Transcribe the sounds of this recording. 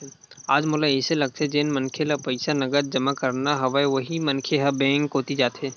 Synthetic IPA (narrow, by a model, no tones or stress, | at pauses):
aːd͡ʒmoːlaɪselɐɡ̚t̪ʰed͡ʒeːnmɐnkʰelapɐɪsanɐɡəɾd͡ʒɐmakɐɾnaɦɐʋaeʋɐɦimɐnkʰeɦɐbɛ̃ːŋkːoːt̪id͡ʒaːt̪ɦeː